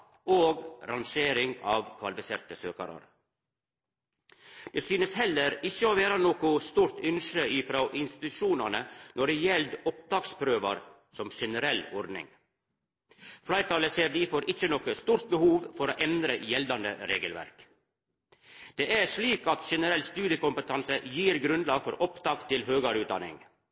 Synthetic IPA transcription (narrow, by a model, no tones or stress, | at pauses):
oːɡɾɑnʃeːɾɪŋɑːʋkʰʋɑlɪfɪsḛːɾt̪əsøːkɑ̰ɾɑ̰ɾ | d̪̥eːsyːnəshɛlːəɾɪçːəoːʋeːɾənoːkʊst̪uːɾt̪ʏnʃəiːfɾoːʔɪnst̪ɪ̥t̪ʉʃuːnɑnənɔɖɛjɛld̪ɔp̚d̪ɑːkspʰɾøːʋɑɾ | sɔmʃɛnəɾɛlɔɾd̪nɪ̰ŋ | flɑɪt̪ʰɑːləseːɾd̪iːfoːɾʔɪçənɔkəst̪uːɾt̪̚bəhuːʋfɔɾoːʔɛnd̪ɾəjɛld̪ɑnd̪ə̰ɾeːɡəlʋæ̰ɾk | d̪̥eːʔæʂɭiːkɑt̪ʃɛnəɾɛlst̪ʉːd̪jəkʊmpət̪ʰɑnsəjiːɾɡɾʉnd̪lɑːɡfɔɾʔɔpt̪ɑːɡt̪ʰɪlhøːɡɑɾʉːd̪ɑ̰nɪ̰ŋ